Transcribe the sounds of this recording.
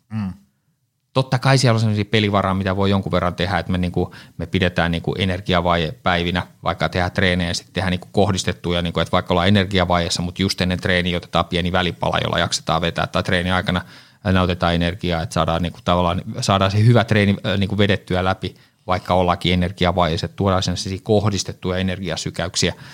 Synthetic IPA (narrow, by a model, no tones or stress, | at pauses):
t̪ot̪ːɑkɑisiælonsemːosiːpeliʋɑrɑːmit̪æʋoijoŋkuʋerːɑnt̪ehæet̪meniːŋkumepidet̪æːnniːŋkṵʔenerɡ̥iɑʋɑijepæiʋinæʋɑ̰ikːɑt̪ehæt̪reːneːsi̥t̪t̪ehæniːku̥kohdist̪et̪ːujɑniːŋkuet̪ʋɑikːolɑenerɡiɑʋɑijesːɑmut̪just̪enːent̪reːniːot̪e̥t̪ɑːpiɛniʋælipɑ̰lɑ̰jo̰lːɑ̰jɑ̰kse̥t̪ɑ̰ːʋʋet̪æ̰ːt̪ːɑit̪reːniɑikɑnɑ | neot̪et̪ɑːenerɡiɑːet̪sɑːdɑːnniːŋku̥t̪ɑʋɑlːɑːnsɑːdɑːsehyʋæt̪reːniniːkuʋedet̪ːyælæpi | ʋɑikːɑolːɑkienerɡ̥iɑʋɑijeset̪t̪uodɑːsenːssiːkohdist̪et̪ːujɑenerɡiɑsykæyksiæ